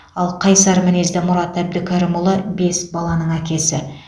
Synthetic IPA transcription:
ɑlˠqʰɑjsɑɾmɪne̞zd̪ɪmʊɾɑt̪æb̚d̪ɪkʲʰɑɾɪmʊlˠəbe̞sbɑlˠɑnəɴækʲe̞sɪ

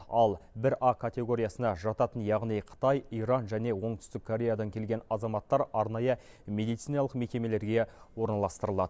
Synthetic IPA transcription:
ɑlˠbɪɾʔɑkʰat̪ʲe̞ɡo̞ɾʲijasənɑʒɑt̪ɑt̪ənjɑʁnijqʰə̥t̪ɑjijɾɑnʒæne̞wo̞ɴt̪ʏst̪ɪkʰːoɾʲe̞jad̪ɑŋkʲʰe̞lɡʲe̞nɑzɑmɑt̪ːɑɾɑɾnɑjə | me̞d̪ijt̪sijnɑlˠəqme̞kʲe̞me̞le̞ɾɡʲe̞wo̞ɾnɑlˠɑst̪əɾəlˠɑd̪ə

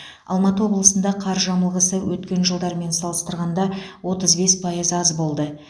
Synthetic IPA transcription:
ɑ̰lˠmɑt̪əwo̞blˠəsənd̪ɑqʰɑɾʒɑməlˠʁəsəwɵt̪kʲe̞nʒəlˠd̪ɑɾme̞nsɑlˠəst̪əɾʁɑnd̪ɑwo̞t̪əzbe̞spʰɑjəzɑzbo̞lˠd̪ə

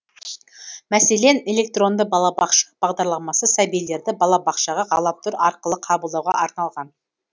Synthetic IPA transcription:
mæse̞le̞ne̞lʲe̞k̚t̪ro̞nd̪əbɑlˠɑbɑqʃɑ̥b̥ɑʁd̪ɑɾlˠɑmɑsəsæbijle̞ɾd̪ɪbɑlˠɑbɑqʃɑʁɑʁɑlˠɑp̚t̪ʰʊɾɑɾqəlˠəqʰɑbəlˠd̪ɑwʁɑʔɑɾnɑlˠʁɑn

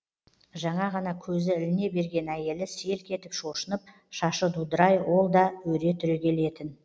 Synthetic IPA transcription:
ʒɑɴɑʁɑnɑkʲʰɵzɪɪlɪne̞be̞ɾɡʲe̞næje̞lɪse̞lkʲʰe̞t̪ɪpʃo̞ʃənəp̚ | ʃɑʃəd̪ud̪əɾɑjwo̞lˠd̪ɑwɵɾe̞t̪ʰʏɾekʲʰe̞le̞t̪ɪn

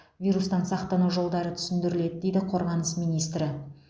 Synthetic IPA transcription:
vʲijɾust̪ɑnsɑqt̪ɑnuʒo̞lˠd̪ɑɾət̪ʰʏ̥sɪnd̪ɪɾɪle̞d̪ɪd̪e̞jd̪ɪqʰo̞ɾʁɑnəsmijnijst̪ɾɪ

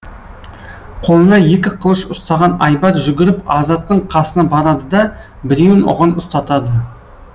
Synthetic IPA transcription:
qʰo̞lˠənɑje̞kʲɪqʰəlˠəʃʊst̪ɑʁɑnɑjbɑt̪ʒʏɡʲɪɾɪpɑzɑt̪ːəɴqʰɑsənɑbɑɾɑd̪əd̪ɑ | bɪɾenʊ̰ʁɑnʊst̪ɑt̪ɑd̪ə

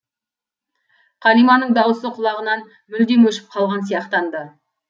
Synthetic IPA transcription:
qʰɑlijmɑnəɴd̪ɑwəsəqʰʊlˠɑʁənɑn | mʏld̪e̞nwɵʃɪ̥p̚qʰɑlˠʁɑnsijɑqt̪ɑnd̪ə

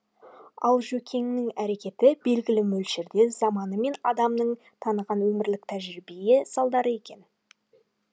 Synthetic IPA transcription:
ɑlˠʒɵkʲʰe̞ŋnɪŋæɾe̞kʲe̞t̪ɪbe̞lɡʲɪlɪmɵlʃeɾd̪e̞z̥ɑmɑnəme̞nɑd̪ɑmnəɴ | t̪ʰɑnəʁɑnwɵmɪɾlɪk̚t̪ʰæʒɾibejesɑlˠd̪ɑɾəe̞kʲe̞n

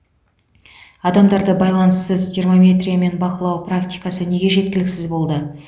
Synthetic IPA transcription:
ɑd̪ɑmd̪ɑɾd̪əbɑjlˠɑnəsəzt̪ʰʲermomʲe̞t̪rʲijame̞nbɑqəlˠɑwpraktʲijkɑsəne̞ɡʲe̞ʒe̞t̪̚kʲɪlɪksɪzbo̞lˠd̪ə

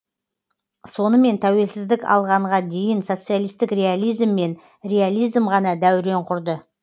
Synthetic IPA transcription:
so̞nəme̞nt̪ʰæwe̞lsɪzd̪ɪkɑ̰lˠʁɑɴʁɑd̪e̞jɪnso̞t̪sɨijalˠijst̪ɪkrʲe̞alˠijzmːe̞n | ɾʲe̞alˠijzmʁɑnɑd̪æwɾe̞ɴqʰʊɾd̪ə

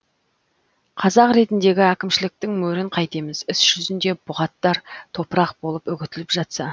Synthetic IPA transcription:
qʰɑzɑqɾe̞t̪ɪnd̪e̞ɡʲɪækʲɪmʃɪlɪk̚t̪ɪŋmɵɾɪɴqʰɑjt̪emɪzɪsʒ̥ʏzɪnd̪e̞bʊʁɑt̪ːɑɾt̪ʰo̞pɾɑq̚bo̞lˠəpʏɡʲɪt̪ɪlɪpʒɑt̪sɑ

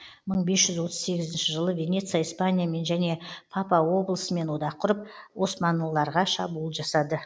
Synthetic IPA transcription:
məɴbe̞sʒʏzwo̞t̪ʰəzse̞ɡʲɪzɪnʃɪʒəlˠəvʲe̞ne̞t̪sɨjaijspanʲijame̞nʒæne̞pʰɑpɑwo̞blˠəsəme̞nwo̞d̪ɑqʰːʊɾəp̚wo̞smɑnəlˠːɑɾʁɑʃɑbuːlˠʒɑsɑd̪ə

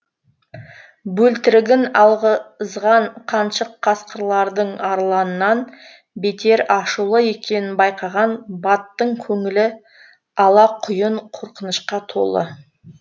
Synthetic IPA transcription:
bɵlt̪ɪɾɪɡʲɪnɑlˠʁəzʁɑɴqʰɑnʃəqʰːɑsqəɾlˠɑɾd̪əɴɑɾlˠɑnənːɑn | be̞t̪ʰe̞ɾɑʃulˠəje̞kʲe̞nɪnbɑjqɑʁɑnbɑt̪ːəɴkʲʰɵŋɪlɪ | ɑlˠɑqʰʊjəɴqʰo̞ɾqənəʃqɑt̪ʰo̞̰lˠə̰

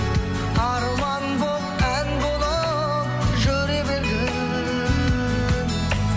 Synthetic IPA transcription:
ɑɾmɑnboqænbolˠɑ | ʒɵɾebeɾe

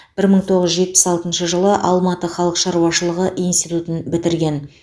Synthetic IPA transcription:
b̥ɪɾməɴt̪ʰo̞ʁəzʒe̞t̪̚pɪ̥sɑlˠt̪ənʃəʒəlˠəʔɑlˠmɑt̪əχɑlˠəqʃɑɾuwɑʃəlˠəʁəʔijnst̪ijt̪ut̪ənbɪt̪ɪɾɡʲe̞n

